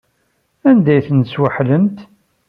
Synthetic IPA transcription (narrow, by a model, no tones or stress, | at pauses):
ænd̪æjθənswəħləmt̪